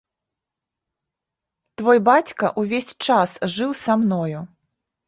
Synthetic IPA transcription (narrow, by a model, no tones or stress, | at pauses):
t̪vɔjbat͡sʲkɐʔuvʲesʲt͡ʂasʐɨwsamnɔju